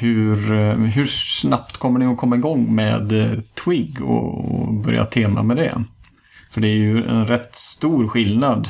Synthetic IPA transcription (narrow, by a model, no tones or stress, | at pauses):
hɵɾɦɵʂnapt̪kʰɔmːəɳɪɔkʰɔmːaɪɡɔŋːmḛːd̪t̪ʰwɪɡɔ̰ɔ̰bœɾja̰t̪ʰeːma̰mɛd̪ɛ̰ | fœɖɛæɾjɵɛ̰nɾɛt̪ːst̪uːɾɧɪlnad̪